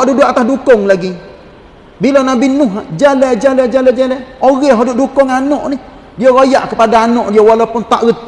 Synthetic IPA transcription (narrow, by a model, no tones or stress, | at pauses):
duʔdʊʔat̪ahdukʊŋlaɡi | bilonabinʊɦad͡ʒalɛd͡ʒalɛd͡ʒalɛd͡ʒalɛoɣɛɦodʊʔdukʊŋanɔʔnih | dijoɣojaʔkəpadaːnɔʔdijowalapʊnt̪aʔɣət̪̚